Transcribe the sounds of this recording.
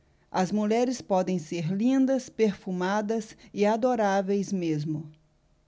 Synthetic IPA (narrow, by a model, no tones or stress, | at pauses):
ɐzmuʎɛɾɪspɔd̪ẽj̃seɾlĩnd̪ɐspeɾfumad̪ɐsɪad̪oɾavejzmezmʊ